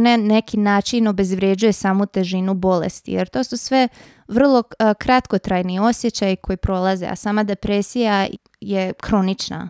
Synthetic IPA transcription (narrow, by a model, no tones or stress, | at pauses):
nene̞kinaːt͡ʃino̞be̞zʋɾjed͡ʑujesaːmut̪e̞ʒinubo̞lḛst̪ḭjeɾt̪o̞ːsusʋe̞ | ʋr̩lˠo̞kɾat̪ko̞t̪ɾaːjnio̞sje̞t͡ɕajikʰo̞jipɾo̞lˠazḛa̰saːmad̪e̞pɾesija | jekɾo̞nit͡ʃna̰